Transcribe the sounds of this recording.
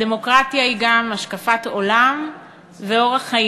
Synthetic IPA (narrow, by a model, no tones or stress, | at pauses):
demo̞kʁat̪jahiɡamaʃkafat̪o̞lam | veo̞ʁaχa